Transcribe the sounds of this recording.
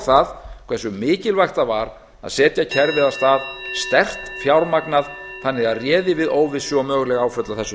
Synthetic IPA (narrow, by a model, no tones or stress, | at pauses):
θaðkʰv̥ɛsʏmɪːcɪlvajxt̪avaɾ | a̰sɛːt̪jacʰɛɾvɪðast̪aːðst̪ɛr̥t̪fjawɾmaknaðθanːɪɣaðrjɛːðɪvɪðoːwvɪsʏɔmœːɣʏlɛɣaaːwfœt̪laθɛsʏ